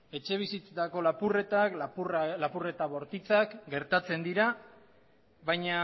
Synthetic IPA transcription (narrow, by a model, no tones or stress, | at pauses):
e̞t͡ʃe̞β̞isit͡set̪ako̞lapure̞t̪aklapurlapure̞t̪aβo̞ɾt̪it͡sakɡe̞ɾt̪at͡se̞nd̪iɾa | βajɲa